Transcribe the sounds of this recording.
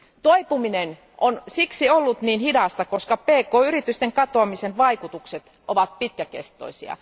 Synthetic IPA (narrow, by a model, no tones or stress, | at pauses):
t̪oipuminen | ʔonsiksiolːut̪niːnhidɑst̪ɑkoskɑpeːkoːyrit̪yst̪eŋkɑt̪oɑmisenʋɑikut̪ukset̪ | ʔoʋɑt̪̚pit̪̚kækḛst̪ˑo̰isḭɑ̰